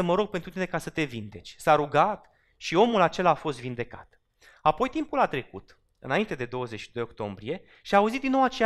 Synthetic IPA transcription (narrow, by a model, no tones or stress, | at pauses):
əməɾo̞ɡ̚pent̪ɾut̪ine̞kasət̪e̞vind̪e̞t͡ʃʲsaɾuɡat̪ | ʃio̞mulat͡ʃe̞laːfo̞s̬t̪vind̪e̞ka̰t̪ | apo̞jt̪impulat̪ɾe̞kṵt̪ | ɨ̰naint̪e̞d̪ed̪o̞wəzet͡ʃʃid̪o̞jo̞kt̪o̞̰mbɾie̞ | ʃiaːuzit̪̚d̪inːowat͡ʃe